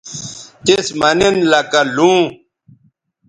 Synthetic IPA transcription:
t̪esmɐnenlɐkalũː

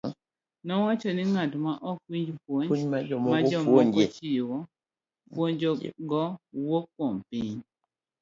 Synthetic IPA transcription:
nɔwat͡ʃɔnɪŋatmaʔɔkwiɲd͡ʒpwoɲɲmad͡ʒɔmɔmad͡ʒɔmɔoɲɔt͡ʃiwɔ | pwoɲd͡ʒɔɡɔwokːompiɲ

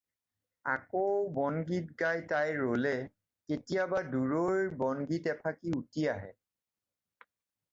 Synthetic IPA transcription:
a̰kowbɔnɡit̚ɡajtajɹolɛ | ketijabaduɹoɹjbɔnɡitɛpʰakiutijaɦɛ̰

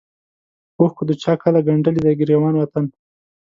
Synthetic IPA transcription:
oxkud̪ət͡ʃɑːkʰalaɡaɳɖəlid̪aɡɪɾjawɑːnwat̪an

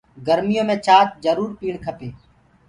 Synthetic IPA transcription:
ɡəɾmɪjõːmẽːt͡ʃaːt̪̚d͡ʒəɾuːɾpiːɳkʰəpeː

